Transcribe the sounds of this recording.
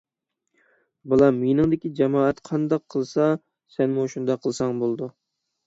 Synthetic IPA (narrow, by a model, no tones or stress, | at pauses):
bɨlˠɑmejnɨŋd̪ɪkʲid͡ʒɛmɑːɛt̪qʰɑnd̪ɑqʰːəlˠsɑ | sɛnmuʃund̪ɑqʰəlˠsɑŋbolˠd̪u